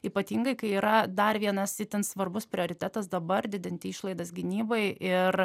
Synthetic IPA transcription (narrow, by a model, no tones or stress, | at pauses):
iːpɐt̪ʲiːŋɡɐɪkɐɪiːɾɐd̪ɐrʋʲiɛnɐsʲɪt̪ʲɪnsʋɐrbʊspʲɾʲɪoːɾʲɪt̪ʲæːt̪ɐsd̪ɐbɐrd̪ʲɪd̪ʲɪnʲt̪ʲɪiʃlˠɐɪd̪ɐsɡʲɪnʲiːbɐɪʔɪr